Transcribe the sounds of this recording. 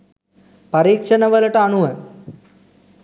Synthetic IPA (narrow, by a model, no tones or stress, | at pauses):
pɐɾiːkʂɐnɐʋɐlɐʈəɐɳuʋɐ